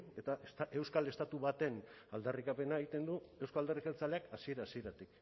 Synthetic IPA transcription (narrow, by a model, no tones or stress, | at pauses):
e̞t̪aet̪aʔe̞wskale̞st̪at̪uβat̪e̞n | ald̪arikape̞naeɣit̪e̞nd̪ue̞wskoald̪arikalt͡sale̞akasie̞ɾasie̞ɾat̪ik